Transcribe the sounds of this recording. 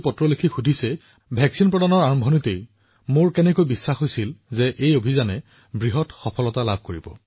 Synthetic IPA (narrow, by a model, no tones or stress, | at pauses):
pɔtɹɔlikʰixudʱisɛ | bʱɛksinpɹɔdanɔɹaɹmbʱɔnitej | moɹkɛnɛkojbisːaxojsilzɛʔejobʱizanɛ | bɹiɦɔtxɔpʰɔlɔtalab̚ʱkoɹibɔ̰